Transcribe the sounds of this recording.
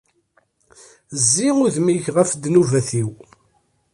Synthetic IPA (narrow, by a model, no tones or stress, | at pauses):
zːiʊðmiʝʁəfd̪nuvæθiw